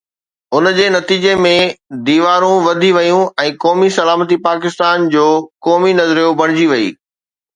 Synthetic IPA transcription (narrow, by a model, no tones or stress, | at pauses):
ʊnd͡ʑeːnɐt̪iːd͡ʑemẽd̪iːʋaːɾũʋɐd̪ʱiʋɐjũɛ̃ːkɔːmisɐlaːmət̪ipaːkɪst̪aːnd͡ʑoːkɔːminɐzɾijobɐɽ̤̃ɪd͡ʑiʋɐḭː